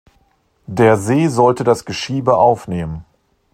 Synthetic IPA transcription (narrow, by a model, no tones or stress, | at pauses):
deːɐzeːzɔltədasɡ̥əʃiːbəʔaʊfneːmən